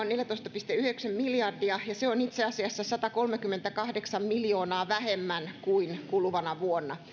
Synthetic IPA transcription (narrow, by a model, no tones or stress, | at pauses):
oneljæt̪oist̪ɑpist̪eyheksæmmiljɑrdiɑjɑseonit̪seɑsiɑsːɑsɑt̪ɑkolmekymːent̪ækɑhdeksɑmmiljoːnɑːʋæhemːænkuinkulʋɑnɑʋuonːɑ